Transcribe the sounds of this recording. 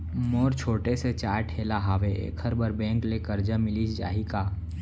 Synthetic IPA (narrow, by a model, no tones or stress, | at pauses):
moːɾt͡ʃʰoːʈeset͡ʃaːʈʰeːlaɦaːʋeḛːkʰəɾbəɾbɛ̃ːŋklekəɾd͡ʒamɪlid͡ʒa̰ːɦikaː